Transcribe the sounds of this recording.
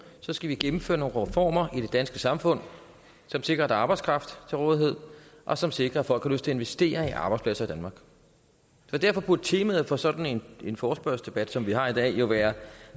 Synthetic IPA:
sɒ̽sɡ̥æʋiɡ̥emm̩fø̰ːɐno̝ːn̩ʁɛfɒ̰ːmɐʔid̥e̝d̥ænsɡ̥əsɑ̈mfɔ̽n̰ | sɒ̽mse̝ɡ̥ʁɐd̥æɑ̈ːb̥ɑɪskʰʁɑ̈fd̥t͡sʰe̝lʁɔ̽ːðˠiɦe̝ð̰ˠʔɒ̽sɒ̽mse̝ɡ̥ʁɐæfɒl̰̥hɑløsd̥t͡sʰe̝e̝nʋe̝sd̥e̝̰ːɐiʔɑ̈ːb̥ɑ̈ɪspʰlæsɐid̥ænmɑ̈ːɡ̥ | sɒ̽d̥æɐ̰fɒ̽b̥ud̥̚t͡sʰeːmæð̩ˠfɒ̽sɒ̽d̥n̩e̝ne̝nfɒːsb̥ɶɐsd̥e̝b̥æd̥sɒ̽mʋihɑ̈id̥ɛ̰ːjo̝ʋæːɐ

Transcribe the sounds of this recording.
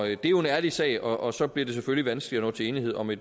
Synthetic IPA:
d̥e̝æjoe̝næɐlisɛ̰ːɪɒ̽ʔɒsɒ̽b̥liɐd̥e̝s̬efølliʋænsɡ̥li̥ɒnɔ̰ːt͡sʰe̝e̝ːnihe̝ð̞̰ˠɒ̽me̝d̥

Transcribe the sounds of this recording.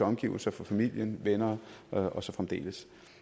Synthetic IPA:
ɒ̽mɡ̥ḭʊl̩sɐfɒ̽fæmil̰jənʋenɐːʔɒ̽sɒ̽fʁamd̥e̝̰ːləs

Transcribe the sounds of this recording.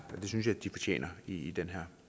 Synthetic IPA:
ɒd̥e̝synsjɑ̈d̥ifɒ̽t͡ɕʰḛːnʔɐiːd̥enɦɛɐ̰

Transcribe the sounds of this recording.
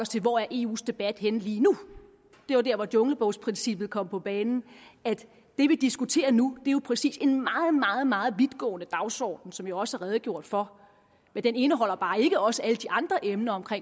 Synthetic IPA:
ɒst͡sʰe̝lʋɒæɐʔe̝ːṵːsd̥e̝b̥æd̥henliːnu | d̥e̝jod̥æɐ̰ʋɒd̥ɔ̽ŋl̩b̥ɔ̽ʊspʰʁinsib̥ð̩ˠkʰɒ̽m̰pʰɒ̽b̥ɛːnn̩æd̥ | d̥e̝ʋid̥isɡ̥ut͡sʰe̝̰ːɐnud̥e̝jo̝pʰʁɛsḭːse̝nmɑ̈ːð̞̩ˠmɑ̈ːð̞̩ˠmɑ̈ːð̞̩ˠʋiðˠɡ̥ɔ̰̽ːnəd̥ɑ̈ʊsɒ̰ːd̥n̩sɒ̽mjaɒ̽sælɐʁɛːð̞̩ˠɡ̥jo̝ɐ̰d̥fɒ̽ | mend̥ene̝nəɦɒ̽l̰ɐb̥ɑ̈ːe̝ɡ̥əɒ̽səæləd̥iʔɑ̈nd̥ʁɐʔemnɐɒ̽mkʰʁeŋ

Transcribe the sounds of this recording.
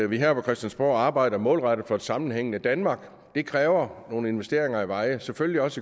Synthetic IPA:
ʋiɦæɐ̰pʰɒ̽kʰʁɛsd̥ænsb̥o̰ːɑ̈ːb̥ɑ̈ɪ̰d̥ɐmɔ̽ːlʁɑɾ̥ð̩ˠfɒ̽ed̥sɑ̈mn̩ɦeŋ̰n̩əd̥ænmɑ̈ːɡ̥ | d̥e̝kʰʁɛːʊɐno̝ːnəe̝nʋesd̥e̝ɐe̝ŋɐiʋɑ̈ɪəsefølliɒ̽sə

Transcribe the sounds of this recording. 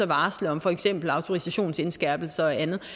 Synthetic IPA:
ɐʋɑ̈ːsləɒ̽mfɒ̽eɡ̥sem̰b̥l̩ɑ̈ʊt͡sʰo̝ʁisæɕo̝̰ːnse̝nsɡ̥æɐ̰b̥l̩sɐænð̞̩ˠ

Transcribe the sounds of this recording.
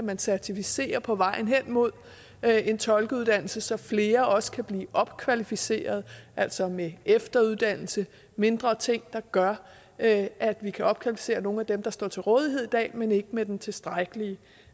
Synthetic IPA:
mænsæɐt͡sʰifise̝̰ːɐpʰɒ̽ʋɑ̈ɪ̰n̩ɦen̰mo̝ð̰ˠ | e̝nt͡sʰɒ̽lɡ̥əuð̞̥ˠæn̰l̩səsɒ̽fle̝ːɐʔɒ̽sə̥kʰæb̥liːʔɒ̽b̥kʰʋælifise̝̰ːɐð̞ˠʔæl̰sɒ̽meefd̥ɐuðˠd̥æn̰l̩sə | me̝nd̥ʁɐt͡sʰe̝ŋ̰d̥ɑ̈ɡ̥ɶɐ | æd̥ʋikʰæʔɒ̽b̥kʰʋælifi̥se̝̰ːɐno̝ːn̩æd̥emd̥ɑ̈sd̥ɒ̰ːt͡sʰe̝lʁɔːð̞ˠiɦeð̰ˠid̥ɛ̰ːmene̝ɡ̥əmed̥ent͡sʰe̝sd̥ʁaɪɡ̥əliə

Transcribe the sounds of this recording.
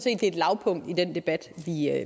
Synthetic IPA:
se̝̰ːd̥ːe̝ːd̥lɑ̈ʊpʰɔ̽ŋ̰d̥id̥end̥e̝b̥æd̥ʋi

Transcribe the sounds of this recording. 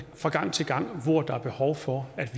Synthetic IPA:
fʁɑ̈ɡ̥ɑ̈ŋ̰t͡sʰe̝lɡ̥ɑ̈ŋ̰ʋɒɐ̰d̥ɑ̈æɐb̥e̝hɒʊfɒæd̥ʋ

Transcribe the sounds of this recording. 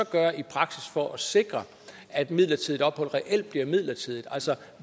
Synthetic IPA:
ɒ̽ɡ̥ɶɐipʰʁɑ̈ɡ̥sisfɒ̽ʔæse̝ɡ̥ʁɐ | æd̥mið̰ˠlɐt͡sʰið̞ˠdˠɒ̽b̥hɒ̽l̰̥ʁɛʔel̰d̥̚b̥liɐmið̰ˠlɐt͡sʰiðˠid̥ˠæl̰sɒ

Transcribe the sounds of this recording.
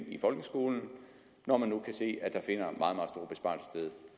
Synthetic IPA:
ifɒ̽lɡ̥əsɡ̥o̝ːln̩ | nɒmænːukʰæse̝̰ːæd̥ɑ̈fe̝n̰ɐmʔɑ̈ːð̩ˠmɑ̈ðˠsd̥o̝ɐb̥e̝sb̥ɑ̈ːlsə̥sd̥eðˠ

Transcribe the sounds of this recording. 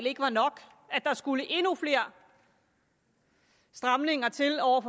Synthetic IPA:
le̝ɡ̥əʋɑ̈nɒ̽ɡ̥ | æd̥ɑ̈sɡ̥uləʔe̝nufle̝ːɐ̰ | sd̥ʁɑ̈mne̝ŋɐt͡sʰe̝lɒʊ̰ɐfɒ

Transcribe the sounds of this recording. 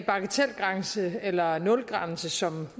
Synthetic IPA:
b̥ɑ̈ɡ̥ət͡sʰel̰ɡ̥ʁɑ̈nsəelɐnɔ̽lɡ̥ʁɑ̈nsəsɒ̽m

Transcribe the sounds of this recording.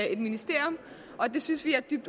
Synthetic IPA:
e̝d̥minisd̥e̝ɐ̰jɔm | ʔɒ̽d̥e̝synsʋiæɐd̥yb̥d̥

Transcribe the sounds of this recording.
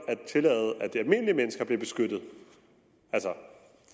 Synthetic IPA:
æ̥t͡sʰe̝lɛ̰ːð̩ˠæd̥iælme̝nəliəmenəsɡ̥ɐb̥le̝b̥e̝sɡ̥ød̥ð̩ˠ | ælsɐ

